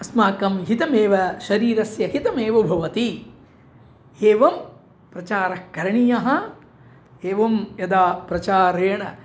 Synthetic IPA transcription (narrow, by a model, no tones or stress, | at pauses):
ɐsmaːkɐmɦit̪ɐmeːʋɐʃɐɾiːɾɐsjɐɦit̪ɐmeːʋɐbʱɐʋɐt̪i | eːʋɐm | pɾɐt͡ʃaːɾɐhkɐɾɐɳijɐɦɐ̆ | eːʋɐmjɐd̪aːpɾɐt͡ʃaːɾeːɳɐ